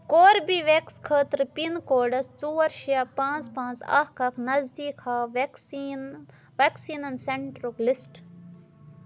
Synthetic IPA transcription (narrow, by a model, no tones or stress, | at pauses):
koːɾbiːʋekskʰəːt̪ɾpinkoːɖɐst͡suːɐɾʃijaːpãːt͡spãːnt͡sɐ̰hkɐknɐzd̪iːkʰaːʋ | ʋɐksiːnɐnseɳʈɾoklisʈ